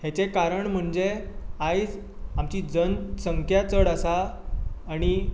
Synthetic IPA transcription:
ɦet͡sekaɾəɳm̤əɳd͡zeajd͡z | amt͡ɕiːd͡zənsəŋkʰjat͡səɽəsaː | ɽ̃i

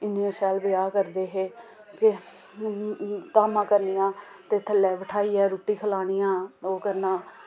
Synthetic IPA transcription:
ɪniãːʃɛːlbɪjaːkəɾd̪eːɦeː | kɪ | t̪aːmãːkəɾnijãː | t̪eːt̪ʰəlɛːʋəʈʰaːiːɛːɾuːʈiːkʰəlaːɽ̃ijãːoːkəɾnãː

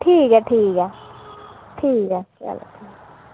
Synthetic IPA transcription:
ʈʰiːkɛʈʰiːkɛ | ʈʰiːkɦɛka̰la̰ʈʰiː

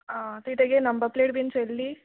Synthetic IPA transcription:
at̪iʈeɡenɐmbɐɾpleːʈbinselːi

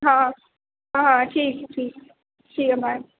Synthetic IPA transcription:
ɦãː | ɦãɦãʈʰiːkʈʰiːk̚ | ʈʰiːkɦəma

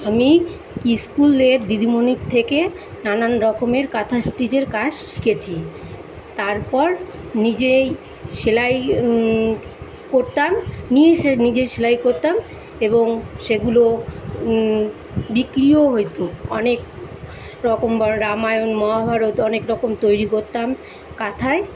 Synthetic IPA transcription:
ami | iskuleɾd̪id̪ʱimonik̚t̪ʰeke | nananɾɔkomeɾkat̪ʰasʈid͡ʑeɾkat͡ɕi̥ket͡ɕʰi | t̪aɾpɔɾ | nid͡ʑe | ʃelaj | koɾt̪amnieʃenid͡ʑeʃelajkoɾt̪am | eboŋʃeɡulo | bikɾioɦojt̪oɔnek̚ | ɾɔkombɾamajonmɔɦabʱaɾot̪ɔnekɾɔkomt̪ojɾikoɾt̪am | kat̪ʰae

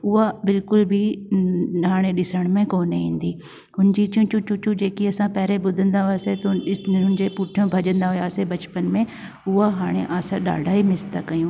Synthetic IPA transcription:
ʊɦabɪlkʊlbʱi | ɦaːɽ̃eɗɪsəɽ̃mẽkoːneɦĩːn̆d̪iː | ɦʊnd͡ʑit͡ɕũt͡ɕũt͡ɕut͡ɕũd͡ʑeːkiɐsãpɛːɾeɓʊd̪ʱə̃nd̪aɦʊjaːset̪ɦʊnɪd͡ʑepuːʈʰijõbʱɐʄə̃nd̪aɦʊjaːsebɐt͡ɕpənmẽ | ʊɦaɦaːɽ̃ḛʔaːsãɗa̰ːɖʱaːɦimɪst̪akɐjũː

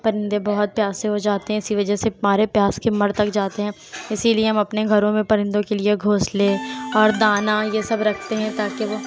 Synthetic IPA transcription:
pɐɾɪ̃nd̪ebɐɦʊt̪̚pjaːseɦod͡ʒaːt̪eɦɛ̃ɪsiʋɐd͡ʒəsemaːɾepjaːskemɐɾt̪ɐkd͡ʒaːt̪eɦɛ̃ː | ɪsilieɦɐmɐpneɡʱɐɾõmẽpɐɾɪ̃nd̪õkelieɡʱoːsleɔːɾd̪aːnajesɐbɾɐkʰt̪eɦɛ̃t̪aːkeʋoː

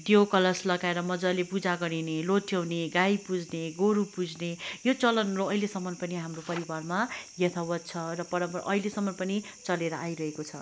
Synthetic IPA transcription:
d̪jowkʌlʌslʌɡaeɾʌmʌd͡zʌlepud͡zaɡʌɽineloʈʰjʌwneɡajpud͡zʱneɡoɾupud͡zʱnejot͡sʌlʌnroʌilesʌmːʌnpʌniɦamropʌɾibarmajʌt̪ʰawʌt̪̚t͡sʰʌrʌpʌɾʌmpʌʔʌilesʌmːʌnpʌni | t͡sʌleɾʌʔajɾʌɦekot͡sʰʌ

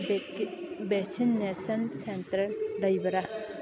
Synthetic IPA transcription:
besinːesɐnsentɐɾlɐjbɐɾa

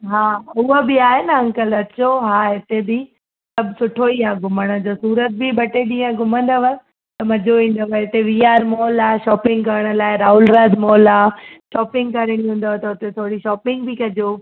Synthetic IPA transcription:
ɦaːʊɦəbɪaːɦenɐɦɐ̃ŋkəlɐt͡ɕoɦaːɦɪt̪ebɪ | sɐbʱsʊʈʰoiaɡʱʊməɽ̃ə̆d͡ʑoːsuːɾət̪̚bibɐʈeɗĩːə̃ɡʱʊmə̃nd̪əʋə | t̪ɐmɐd͡ʑoʋĩːn̆d̪əʋɐɪt̪eʋijaːɾmɔːlaːʃɔːpɪ̃ŋɡkɐɾəɽ̃ə̆laːɪɾaːɦʊlɾaːd̪mɔːlaːʃɔːpɪ̃ŋɡkɐɾəɽ̃iɦũːn̆d̪ot̪ɐʊt̪et̪ʰoːɽiʃɔːpɪ̃ŋɡ̚bɪkɐd͡ʑoː

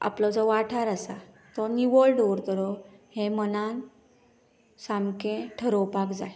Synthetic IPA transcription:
a̰plɔd͡zɔʋaʈʰaɾasa | t̪ɔniʋoɭɖoɾt̪əɾɔhẽmənan | samkẽʈʰəɾowpakd͡zaj

